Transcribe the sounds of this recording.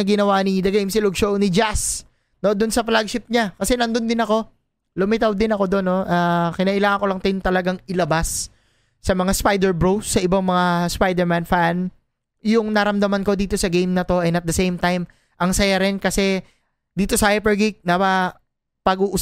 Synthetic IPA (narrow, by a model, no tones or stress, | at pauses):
ɡɪnɐwanɪd̪ɐɡejmsɪloɡ̚ʃownɪd͡ʒas | no̞d̪ʊnsɐplaɡ̚ʃɪt̪̚ɲakɐsɛnɐnd̪o̞nd̪ɪnɐko̞ | lʊmɪt̪awd̪ɪnɐko̞d̪o̞nːo̞ʔakɪnɐːʔɪlaːŋɐnko̞lɐŋt̪ɪnt̪ɐlɐɡaŋɪlɐbasː | ɐmɐŋaspajd̪ɛɹbɹowsːɐʔɪbaŋmɐŋaspajd̪ɛɹmanfan | jʊŋnɐɾɐmd̪ɐmanko̞d̪iːt̪o̞sɐɡejmnɐt̪o̞ʔɐnɐt̪̚d̪ɐsejmt̪ajm | ʔɐŋsɐjaɾɪnkɐsɛ | d̪iːt̪o̞sɐʔɛpɛɹɡik̚nɐpɐ | pɐɡuːʔʊ